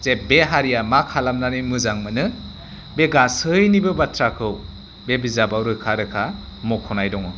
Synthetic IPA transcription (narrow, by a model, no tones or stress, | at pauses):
zebeɦaɾijamakʰalamnanimɯzaŋmɯnɯ | beɡasɯjnibɯbatʰɾakʰɯw | bebizabawɾɯkʰaɾɯkʰa | mɔkʰɔnajdɔŋɔ